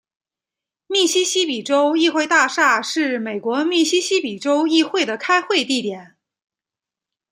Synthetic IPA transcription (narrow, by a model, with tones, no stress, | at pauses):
mi˥˩ɕi˥ɕi˥pi˨˩ʈ͡ʂo˥ʊi˥˧xwe˥˧ɪt̪a˥˧ʂa˥˧ʂɻ̩˥˩me˨˩ɪkwɔ˧˥mi˥˩ɕi˥ɕi˥pi˨˩ʈ͡ʂo˥ʊi˥˧xwe˥˩ɪd̪ə˩kʰa˥ɪxwe˥˧ɪt̪i˥˩t̪jɛ˨˩˦n